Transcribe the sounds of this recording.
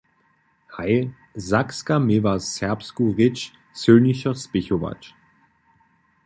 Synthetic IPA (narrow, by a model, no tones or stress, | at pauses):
haɪ | zakskamevasɛɐpskuʁɪt͡ʃ | t͡søːnɪʃɐspɪçova̰t͡ʃ